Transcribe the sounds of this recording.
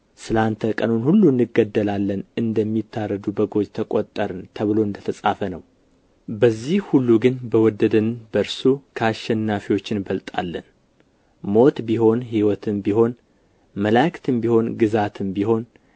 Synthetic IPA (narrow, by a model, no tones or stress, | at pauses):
sɨlant̪ʰəkʼənonhulːunːɨɡəd̪ːəlalːənɨnd̪əmːit̪ʰːarːəd̪ubəɡo̞d͡ʒt̪ʰəkʼot̪ʼːəɾɨnt̪ʰəβɨlo̞ɨnd̪ət̪ʰəsʼafənəw | bəzːihhulːuɡɨnbəwɔd̪ːəd̪ənbəɾsukʰaʃɛnːafiwo̞t͡ʃːɪnbəlt̪ʼa̰lːən | mo̞t̪biho̞nhiwɔt̪ʰɨmbiho̞n | məlakt̪ʰɨmbiho̞nɡɨzat̪ʰɨnbiho̞n